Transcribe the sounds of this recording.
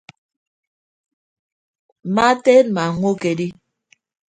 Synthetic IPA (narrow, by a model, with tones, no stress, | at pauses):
ma˦te˦nma˨ŋwo˦ke˨di˦